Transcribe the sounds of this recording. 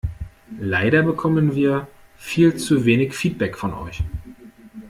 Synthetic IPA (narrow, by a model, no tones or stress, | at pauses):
laɪɾɐbəkʰɔmənviːɐ | fiːlt͡suveːnɪçfiːt̚b̥ɛkfɔnʔɔ̰ʏç